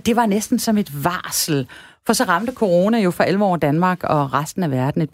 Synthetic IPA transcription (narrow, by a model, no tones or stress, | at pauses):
d̥e̝ʋɑ̈nesd̥n̩sɒ̽me̝d̥ʋɑːsl̩fɒ̽sɒ̽ʁɑ̈md̥əkʰo̝ʁo̝ːnæjo̝fʁɑ̈elʋəɒ̰ːd̥ænmɑ̈ːɡ̥ɒ̽ʁasd̥n̩æʋæɐd̥n̩e̝d̥